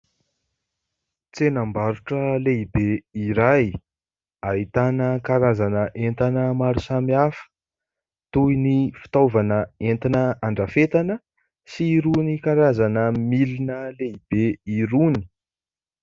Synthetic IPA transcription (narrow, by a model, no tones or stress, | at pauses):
t͡senambaɾuʈ͡ʂəleibeiɾaj | ait̪anəkaɾazanəʔent̪anəmaɾusamiafə̥ | t̪ujnifi̥t̪ovanəent̪inəaɳɖ͡ʐafet̪anə | siɾunikaɾazanəmilinəleib̥eiɾuni̥